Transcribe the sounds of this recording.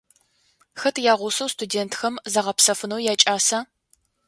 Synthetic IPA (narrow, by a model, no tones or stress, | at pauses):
xɐtʰjaːʁʷʊsɐwstʰudeːntʰxɐmzɐʁɐpsɐfɨnɐwjaːt͡ʃʼaːsa